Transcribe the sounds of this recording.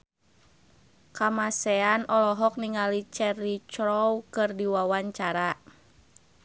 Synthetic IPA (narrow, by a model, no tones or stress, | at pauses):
kamasɛanɔlɔɦɔk̚niŋalit͡ʃɛɾit͡ʃɾɔwkɨrdiwawaɲt͡ʃaɾa